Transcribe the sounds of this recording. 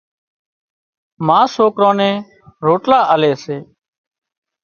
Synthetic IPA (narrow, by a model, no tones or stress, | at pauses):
mãːsoːkɾõːnẽː | ɾoːʈlaːʔəleːseː